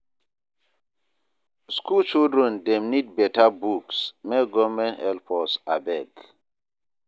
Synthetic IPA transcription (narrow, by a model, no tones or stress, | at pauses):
skʰult͡ʃildɾɛ̃ndɛmnid̚bɛtabuksmɛɡɔmɛ̃nɛlpʰɔsabɛɡ